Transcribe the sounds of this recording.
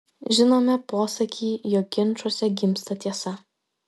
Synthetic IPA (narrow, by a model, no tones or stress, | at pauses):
ʒʲɪnoːmʲɛpoːsɐkʲiːjoːk̚ɡʲɪnˑt͡ʃuɔsʲɛɡʲɪmʲˑst̪ɐt̪ʲiɛsɐ